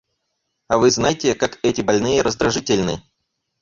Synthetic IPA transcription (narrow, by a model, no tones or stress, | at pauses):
ɐvɨznajtʲɪkakɛtʲɪbɐlʲnɨjəɾʔəzd̪ɾɐʐɨtʲɪlʲnɨ